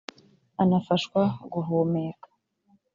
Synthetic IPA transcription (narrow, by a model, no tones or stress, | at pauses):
anafaʃkwaɡuɦomeːkḁ